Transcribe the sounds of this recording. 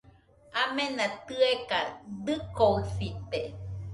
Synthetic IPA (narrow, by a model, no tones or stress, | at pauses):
amenat̪ɨekad̪ɨkosit̪e